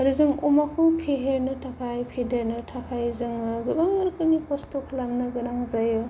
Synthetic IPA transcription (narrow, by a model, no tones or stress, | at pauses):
ɐɾizɯŋumakʰukʰeɦeɾnɯtʰapʰajpʰideɾnɯtʰapʰajzɯŋɯɡɯbaŋɯɾkɯnipʰostokʰlamnɯɡɯnaŋzajɯ